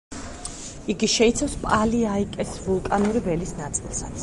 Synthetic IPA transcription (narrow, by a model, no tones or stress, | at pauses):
iɡiʃɛit̪sʰafspʼaliaikʼɛsvulˠkʼanuɾivɛlisnat̪sʼilˠsat̪sʰ